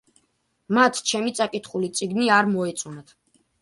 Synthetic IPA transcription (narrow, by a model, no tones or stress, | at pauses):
mat̪ʰt͡ʃʰɛmit̪sʼakʼit̪ʰχulit̪sʼiɡniaɾmɔɛt̪sʼunat̪ʰ